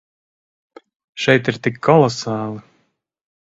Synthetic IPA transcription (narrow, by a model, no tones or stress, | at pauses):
ʃɛjt̪iɾt̪ikːɔlˠɔsaːlˠɨ